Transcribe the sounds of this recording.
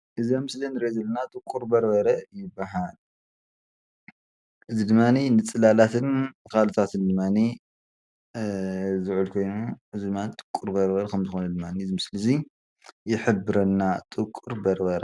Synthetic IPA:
ʔɨziamɨslinɨɾezɐlːɐnat̪ʼɨkʼːuɾbɐɾbɐɾɐjɪbːaɦal | ʔɨzid̪ɨmːaninɨt͡sʼɨlalat̪ʰɨnkʰalot̪ʰat̪ʰɨnd̪ɨmːani | zɨʕulkʰo̞jnuʔɨzid̪ɨmːanit̪ʼɨ̥kʼːuɾbɐɾbɐɾkʰɐmzɨxonɐd̪ɨmːaniɨzimɨslizi | jɪħɨbːɨɾɐnːat̪ʼɨkʼːuɾbɐɾbɐɾɐ

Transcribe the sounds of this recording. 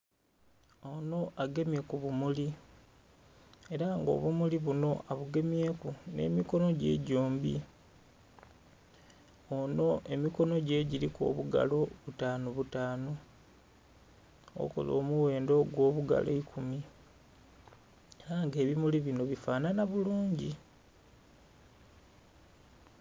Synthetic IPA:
o̞no̞ʔaɡe̞mje̞kuβumuli | e̞ɾaŋɡo̞̰ːβumuliβuno̞aβuɡe̞mje̞kune̞̰ːmiko̞no̞ɟe̞̰ːɟoːmbḭ | ono̞e̞miko̞no̞ɟe̞ɟiɾiko̰ːβuɡa̰lo̞βutaːnoβutaːno | o̰ko̞̰lo̞̰ːmuwe̞ːndo̞ɡwo̞ːβuɡa̰lo̰ikʰumi | eɾaŋɡe̞ːβimuliβino̞βifaːnanaβuluːɲɟi

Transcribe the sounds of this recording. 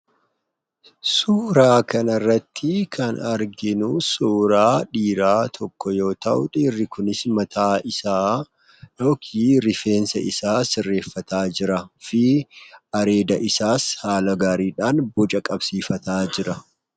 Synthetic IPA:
suːɾaːkɐnɐrːɐt̪ʰːɪkʰɐnɐɾɡɪnʊsuːɾaːᶑiːɾaːt̪ʰɔkːɔjo̞ːt̪ɐʔʊᶑiːrːɪkʊnɪsmɐt̪ʰaːʔɪsaː | jo̞ːkʰiːɾɪfe̞ːnsɐɪsaːsɪrːe̞ːfːɐt̪aːd͡ʒɪɾɐfɪ | ɐɾe̞ːd̪ɐʔɪsaːshaːlɐɡaːɾiːᶑaːnbɔt͡ʃʼɐkʼɐbsiːfɐt̪aːd͡ʒɪɾɐ

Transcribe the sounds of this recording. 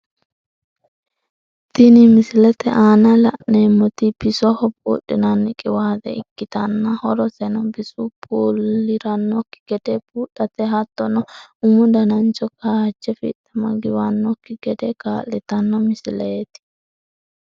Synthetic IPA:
t̪ɪnɪmɪslɛt̪ɛʔaːnɐlɐʔneːmːɔt̪ɪb̥ɪsɔhɔpʼːṵːᶑːɪnɐnːɪkʼɪwaːd̪ɛ̰ɪkːɪt̪ɐnːɐhɔɾɔsɛnɔbɪsupʰʼoːlːɪɾɐnːɔkːɪ̥ɡ̥ɛd̪ɛpuːᶑɐt̪ɛɦɐt̪ːɔnɔʊmʊd̪ɐnɐnt͡ʃɔkaːhd͡ʒːɛfɪ̰t̪ːɐmɐɡɪwanːɔkːɪɡɛd̪ɛkaːlːɪt̪ɐnːɔmɪsɪlɛt̪ɪ̥

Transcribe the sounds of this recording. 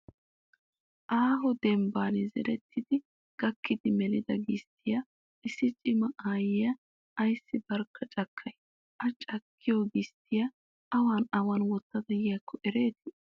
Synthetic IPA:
ʔaːɦɔd̪ɛmbaːnɛzɛ̰ɾɛt̪ʰːɪd̪ɪ | ɡ̥ɐkːɪd̪ɪmɛlɪd̪ɐɡɪst̪ʰɪjɐ | ʔɪsːɪt͡ʃʼɪmɐʔaːjɪjɐː | jsːɪbɐɾkʰːɐt͡ʃʼɐkʰːɐj | ʔɐt͡ʃʼɐkʰːɪjoɡɪst̪ʰɪjɐ | ʔɐwaːnɐwanwɔt̪ːɐd̪ɐjjɐkʰːɔʔɛɾe̞ːt̪ɪ

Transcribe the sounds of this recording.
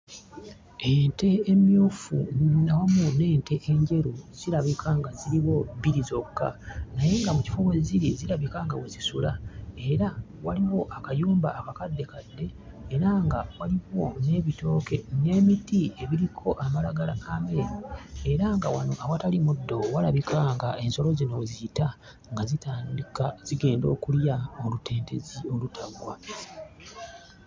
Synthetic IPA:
ente̞ːmjuːfṵnawamune̞ːnte̞ʔeɲɟe̞ɾuz̥iɾaβikʰaŋɡaziɾiwo̞βiɾizo̞kːa̰naje̞ŋɡamuci̥foβoziɾiziɾaβikaŋɡa̰wezisulae̞ɾa | waliwo̞ʔakajuːmba̰ːkakadːe̞kadːe̞ː | ɾaŋɡawaliβo̞ne̞ːβito̞ːke̞ne̞ːmitie̞βiɾikʰo̞ʔamalaɡalaːmeɾie̞ɾaŋɡawanoʔawatalimudːo̞walaβikʰaŋɡae̞nso̞lo̞zino̞ziita | ŋɡazitanikz̥iɡe̞ːndo̞ːkuljaolutʰe̞ːntezio̞lutʰaɡwa

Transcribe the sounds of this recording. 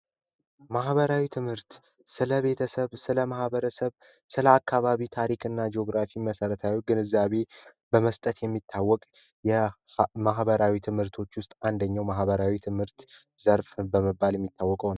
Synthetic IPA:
mahβəɾawit̪ʰɨmhɨɾt̪ | sɨləβe̞t̪ʰəsəβsɨləmahβəɾəsəβ | sɨləakːaβaβit̪ʰaɾikʰɨnːad͡ʒeo̞ɡɾafiməsəɾət̪ʰawoɡɨnɨzːaβe̞bəməst̪ʼət̪jɛmːit̪ʰːawːɔkʼ | jɛmaɦbəɾawit̪ʰɨmhɨɾt̪ʰo̞t͡ʃːwʊst̪ʼand̪əɲːawmaɦβəɾawit̪ʰɨmhɨɾt̪zəɾfbəməbːaljɛmːit̪ʰːawːɔkʼəwn

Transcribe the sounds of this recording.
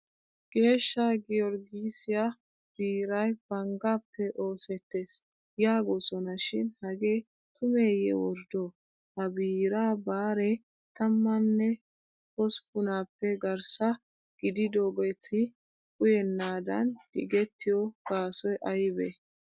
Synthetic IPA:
ɡ̥e̞ːʃːɐɡɪɔɾɡisɪja | b̥iːɾɐjb̥ɐŋɡaːpːɛʔo̞ːsɛt̪ːe̞ːs | jaːɡɔsɔnɐʃɪnhɐɡe̞ː | t̪ʊme̞ːjɛ̰wɔɾd̪o | hɐbiːɾaːbaːɾɛ | t̪ɐmːɐnːɛ | kɔspʊnaːpːɛɡɐɾsɐ | ɡ̥ɪd̪ɪd̪oːɡɛjt̪ʰɪ | kʊjɛnːaːd̪ɐ̰nɡɪ̰ɡɛt̪ːɪjɔɡ̥aːsɔjʔɐjbɛ

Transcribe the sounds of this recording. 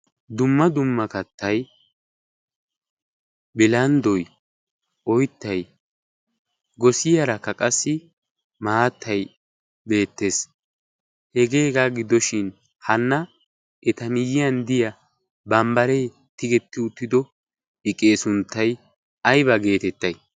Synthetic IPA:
d̪ʊmːɐd̪ʊmːɐkɐt̪ːɐj | bɪlɐnd̪ɔj | ʔɔjt̪ːɐj | ɡɔsɪjɐɾɐkːɐkʼɐsːɪ | maːt̪ːɐj | be̞ːt̪ːe̞ːs | hɛɡe̞ːɡaɡɪd̪ɔʃɪn | hɐnːɐ | ɛt̪ɐmɪjɪjɐnd̪ɪjɐ | bɐmbɐɾej | t̪ɪɡɛt̪ːɪʊt̪ːɪd̪ɔ | ɪkʼːe̞ːsʊnt̪ːɐj | ɐjbɐɡe̞ːt̪ɛt̪ːɐj

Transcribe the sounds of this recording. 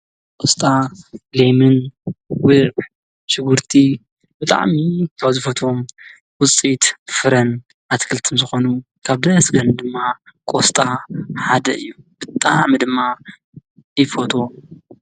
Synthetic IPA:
kʼost̪ʼalemɨnwɨʔ | ʃɪɡuɾt̪ʰi | bɨt̪ʼa̰ʕmikʰawzɨfɐt̪ʰom | wʊt͡sʼit̪fɨɾɐn | ʔat̪kʰɨlt̪ʰɨmzɨxo̞nu | kʰaβd̪ɐsɡɐnd̪ɨmːakʼost̪ʼaħad̪ɐɨjːub̥ɨt̪ʼaʕmid̪ɨmːa | ifot̪ʰo

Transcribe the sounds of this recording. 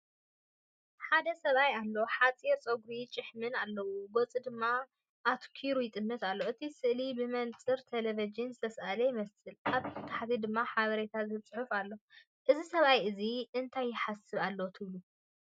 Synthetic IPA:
ħad̪ɐsɐβajalːo̞ħat͡sʼiɾt͡sʼoɡɾit͡ʃʼɨħmɨnalːɐwuɡot͡sʼid̪ɨmːa | ʔːt̪kʰiɾujɪt̪ʼɨnːɨt̪alːo̞ʔɨt̪ʰisɨʔlibɨmɐnt͡sʼɨɾt̪ʰelevid͡ʒɨnzɨt̪ʰɐsʔalɐjmɐsɨlaβt̪ʰɨt̪ʰaħt̪ʰid̪ɨmːaħaβɐɾet̪ʰazɨt͡sʼħufalːo | ʔɨzisɐβajʔɨziʔɨnt̪ʰajːɪħasɨβalːowt̪ʰɨβlu

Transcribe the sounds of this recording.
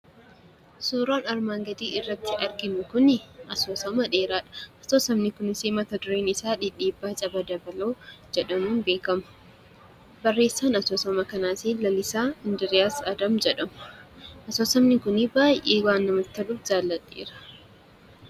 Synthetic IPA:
soːɾaːnɐɾmaːŋɡɐd̪iːʔɪrːɐt̪ːɪʔɐɾɡɪnʊkʊnʔɐsoːsɐmɐᶑeːɾaːᶑɐ̥ɐsoːsɐmnɪkʊnɪseːmɐt̪ɐd̪ʊɾeːnɪsaːᶑɪᶑiːbːaːt͡ʃʼɐbɐd̪ɐbɐloːd͡ʒɛᶑɐmuːnbe̞ːkɐmɐ̥ | bɐrːe̞ːsːaːnɐsoːsɐmɐkɐnaːsiːlɐlɪsaːɪnd̪ɪɾɪjaːsɐd̪ɐmd͡ʒɛᶑɐmʔɐsoːsɐmnɪkʊnɪbaːjʔeːwaːnːɐmɐt̪ːɐluːfd͡ʒaːlːɐt̪ʼːḛːɾɐ̥

